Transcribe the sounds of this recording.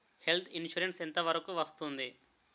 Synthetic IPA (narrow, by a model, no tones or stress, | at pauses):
he̞lt̪ʰinʃuɾensent̪ɐʋɐɾɐkuʋɐst̪und̪i